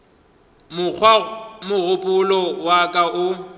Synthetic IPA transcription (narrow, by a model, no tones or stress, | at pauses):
mʊk͡xʰwamʊɣʊpʼʊlɔwakʼaʔʊ